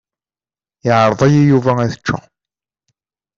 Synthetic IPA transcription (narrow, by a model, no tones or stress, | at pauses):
ɪʕɾˤəðˤæjijuvææθət͡ʃːæ̰